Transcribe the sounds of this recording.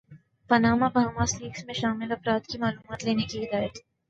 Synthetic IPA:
pɐnaːmabʱaːmasliːksmẽʃaːmɪlɐfɾaːd̪kimaːluːmaːt̪leːnekiɦɪd̪aːjət̪ɦɛ

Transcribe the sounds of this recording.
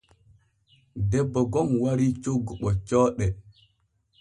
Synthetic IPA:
dɛbːɔɡɔmwaɾit͡ʃoɡɔɓɔt͡ʃɔːɗɛ

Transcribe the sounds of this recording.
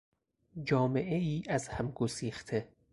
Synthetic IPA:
d͡ʒɒːme̞ʔeiːʔæzhæmɡosiːxt̪ʰe

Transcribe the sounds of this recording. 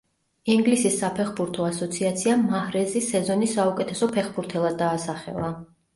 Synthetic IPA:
iŋɡlisisːapʰɛχbuɾt̪ʰɔasɔt̪sʰiat̪sʰiamahɾɛzisɛzɔnisːaukʼɛt̪ʰɛsɔpʰɛχbuɾt̪ʰɛlˠad̪ːaːsaχɛ̰lˠa

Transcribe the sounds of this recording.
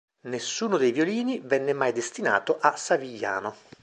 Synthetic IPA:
nesːuːnod̪ejvijoliːnivɛnːemajd̪est̪ina̰ːt̪oʔasːaviʎːa̰ːno

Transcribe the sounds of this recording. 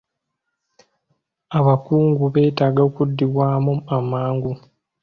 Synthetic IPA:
aβakuːŋɡuβe̞ːtaːɡaokudːiβwaːmuamaːŋɡu

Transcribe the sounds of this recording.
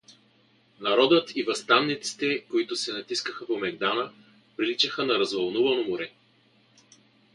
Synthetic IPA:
nɐɾɔd̪ət̪ʰivɐst̪avnit̪si̥t̪ɛkoit̪ʊsɛnɐt̪iskəxəpomɛɡ̚d̪anə | pɾilit͡ʃəxənɐɾɐzvɐlˠnuvɐnomʊɾɛ

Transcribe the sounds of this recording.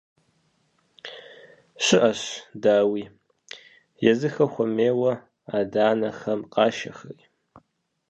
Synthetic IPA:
ʃʷɨʔaʃdaːwi | jazɨxɐχʷameːwɐ | adaːnɐxɐmqʼaʃɐ̰xɨ̰j

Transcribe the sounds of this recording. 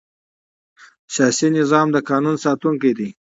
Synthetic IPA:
sjɑsinɪzɑmd̪əkɑnunsɑt̪uŋkid̪i

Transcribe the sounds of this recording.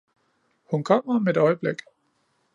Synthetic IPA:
hunkʰɒ̽m̰ɐmed̥ɒ̽ɪəb̥leɡ̥

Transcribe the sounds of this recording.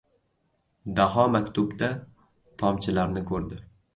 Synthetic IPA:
d̪aɦɒmakʲt̪ʰʊbd̪a | t̪ʰɒmt͡ʃʰɪlaɾnɪkʰɵɾd̪ɪ

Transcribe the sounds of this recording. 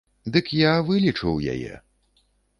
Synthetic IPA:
d̪ɨkjavɨlʲit͡ʂɨwja̰jɛ̰

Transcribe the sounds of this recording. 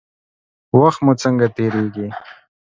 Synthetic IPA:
waxt̪mut͡səŋɡat̪eɾeɡi

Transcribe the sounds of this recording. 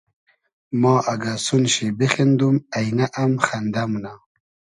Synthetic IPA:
mɑːʔaɡasunɕebexend̪umajnaʔamxand̪amuna

